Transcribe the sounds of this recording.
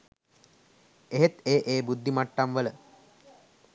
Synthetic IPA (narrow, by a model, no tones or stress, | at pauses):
eɦet̪eːʔeːbud̪ːimaʈːamʋələ